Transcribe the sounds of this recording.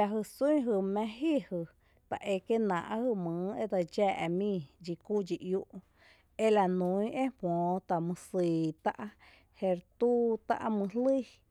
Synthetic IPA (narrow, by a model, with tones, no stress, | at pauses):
a˧ɦɨ˧sũĩ˦ɦɨ˧mɛ̃˦˧ɦi˦˨hɨ˧˨ | t̪a̰˨ʔe˧ke˦nã̰˨ʔhɨ˧mɨ̃˨e˦d̪a˧d͡ʒɛː˦˧ʔmĩ˦˧d͡ʒi˧ku˦d͡ʒi˧ʔju˧ʔ | e˦la˧nũ˨˧˦ĩ˦ʔe˦hwɔ̃ː˨t̪a˨mɨ̃˧si˨t̪a˦ʔ | he˧ɾt̪u˦t̪a̰˦ʔmɨ̃˧ɦlɨ˦